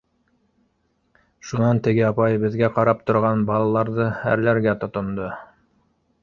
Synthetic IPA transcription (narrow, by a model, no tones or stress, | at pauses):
ʃunɑnt̪ɘ̆ɡɘɑpɑjbɘ̆ðɡæqɑɾɑp̚t̪ŏɾʁɑnbɑlˠɑlˠɑɾðɤhæ̰ɾlæɾɡæt̪ŏt̪ŏnd̪ɤ